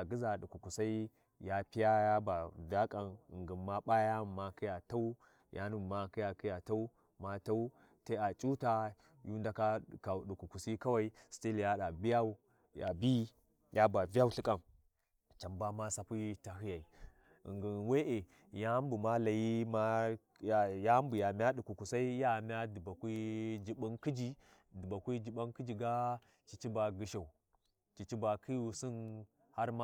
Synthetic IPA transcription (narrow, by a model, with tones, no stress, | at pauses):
a˨ɡi˦za˨ɗu˨ku˨ku˨sa˦i˦ | ja˦pi˦ja˦ja˦ba˨va˦kʼa˨nḭ˨ŋɡi˨nma˦ɓa˦ja˦˨ma˦ki˦ja˨ta˦u˦ | jʔa̰˦nu˦˨ma˦ki˦ja˨ki˦ja˨ta˦u˦ | ma˦ta˦u˦ | te˦a˨t͡ʃʼu˦ta˦ | ju˦n˦da˦ka˦˨ka˨ɗu˨ku˨ku˨si˦ka˦wa˦i˦sti˦lja˦ɗa˨bi˦ja˦u˦ | ja̰˨bi˦ | jʔa˦ba˨va˦u˦ɬi˦kʼa˦˨n | t͡ʃa˨mba˦ma˦sa˨pi˦ta˨ɦi˦ja˨i˨ | ḭ˨ŋɡi˨we˦ʔe˨ | ja˦mbu˨ma˦la˨ji˦ma˦ | ja˦mbu˨ja˨mʲ˦a˦ɗu˨ku˨ku˨sa˦i˦ja˦˨mʲ˦a˦di˨ba˨kʷi˦d͡ʒi˦ɓu˦nki˦d͡ʒi˦ | du˨ba˨kʷi˦d͡ʒi˨ba˦nki˦d͡ʒi˨ɡa˦ | t͡ʃi˨t͡ʃi˦ba˨ɡi˨ʃa˨u˨ | t͡ʃi˨t͡ʃi˦ba˨kʰi˦ju˨si˦n | ha˦ɾma˦